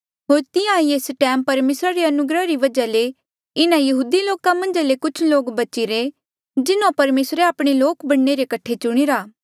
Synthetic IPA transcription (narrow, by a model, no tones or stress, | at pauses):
ɦoːɾt̪ɪjãieːsʈɛːmpɐɾmeːsɾaɾeɐnʊɡɾəɾiʋɐd͡ʒale | ɪnãjɐɦuːd̪iloːkãmɐ̃nd͡ʒalekʊt͡ʃʰloːkbɐt͡ʃiɾe | d͡ʒɪnõpɐɾmeːsɾeaːpɽ̃eloːkbɐɽneɾekɐʈʰːet͡ʃʊɽ̃iɾaː